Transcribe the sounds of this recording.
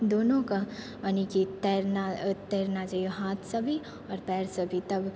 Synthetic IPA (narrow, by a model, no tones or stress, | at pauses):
d̪oːnõka | ɐnikit̪ɛɾnat̪eːɾnad͡ʒajeɦaːt̪ʰsɐbʱi | ɔːɾpɛːɾsɐbʱit̪ɐb